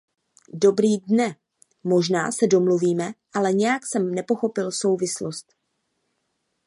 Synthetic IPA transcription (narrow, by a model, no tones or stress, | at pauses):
do̞bɾiːdnɛ | mo̞ʒna̰ːsɛdo̞mluviːmɛʔalɛɲɛjaksɛmnɛpo̞xo̞pɪlso̞wvɪslost̪